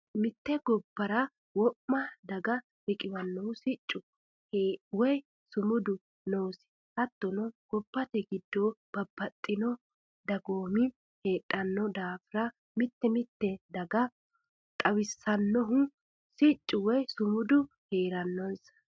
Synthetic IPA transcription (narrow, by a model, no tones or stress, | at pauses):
mɪt̪ːɛɡɔbːɐɾɐ | wɔpːɐd̪ɐɡɐ | bɪkʼɪwɐnːɔhʊsɪt͡ʃʼːʊ | hwɔj | sʊmʊd̪ʊ | noːsɪ̥ | hɐt̪ːɔnɔɡ̥ɔbːɐt̪ɛɡɪd̪ːob̥ɐbːɐt̪ʼːɪnɔ | d̪ɐɡoːmɪ | heːᶑʼɐnːɔd̪aːfɪɾɐ | mɪt̪ːɛmɪt̪ːɛd̪ɐɡɐ | t̪ʼɐwɪsːɐnːɔɦʊ | sɪt͡ʃʼːʊwɔjsʊmʊd̪ʊ | heːɾɐnːɔnsɐ̥